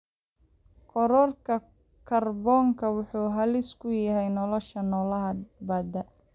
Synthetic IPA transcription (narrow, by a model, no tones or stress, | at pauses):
kʰɔɾɔrkʰɐ | kʰɐrbɔːŋkʰɐwʊħuːɦɐlɪskʰʊjɐɦɛjnɔlɔʃɐnɔːlɐɦɐbɐːd̪ɐ